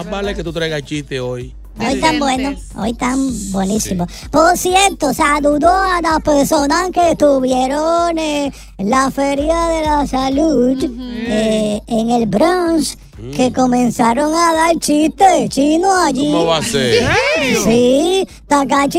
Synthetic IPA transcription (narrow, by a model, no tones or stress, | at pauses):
abaleket̪ut̪ɾajɣat͡ʃiht̪eoj | ojt̪ambwenoo̰jt̪ambwe̞nisimo | po̞ɾsje̞ɾt̪osaluðoalaspe̞ɾso̞naskeːst̪uβje̞ɾone | lafe̞ɾjaðe̞lasaluðeeŋelbɾons | ke̞ko̞mẽ̞nsaɾoŋaðalt͡ʃist̪et͡ʃinoaʝiβase | si | t̪akat͡ʃ